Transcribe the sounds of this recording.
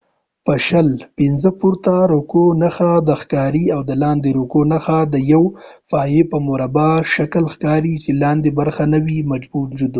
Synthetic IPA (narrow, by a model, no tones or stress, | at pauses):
pəʃəlpɪnzəpuɾt̪aɾokonaxad̪əxkɑɾiawd̪əlɑnd̪eɾokonaxad̪əjawfɑjepəmoɾabɑʃakəlxkɑɾit͡ʃelɑnd̪ebaɾxanawimad͡ʒbud͡ʒud̪u